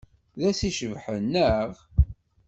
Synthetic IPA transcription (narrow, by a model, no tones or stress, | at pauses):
ðæsiʃəvħənːəʁ